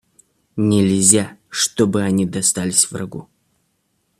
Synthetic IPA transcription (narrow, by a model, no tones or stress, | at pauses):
nʲɪlʲzʲaʂt̪obɨɐnʲid̪ɐst̪alʲɪsʲvrɐ̰ɡṵ